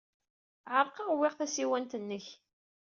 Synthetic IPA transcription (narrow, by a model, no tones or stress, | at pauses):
ʕəɾˤqɑʁwɪʁθæsiwænt̪ənːəç